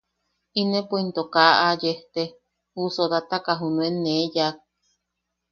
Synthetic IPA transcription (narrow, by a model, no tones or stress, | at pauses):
inẽpoint̪okaʔajeht̪e | husod̪at̪akaɦunuenejak̚